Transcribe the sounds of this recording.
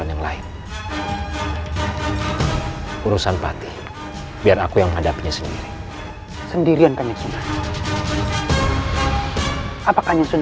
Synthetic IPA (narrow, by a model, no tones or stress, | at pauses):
anjaŋla̰ɪn | uɾusanpa̰t̪i | biarakujaŋməŋɦadapiɲasəndḭɾi | səndiɾiankaɲɲasunan | apakaɲaŋsun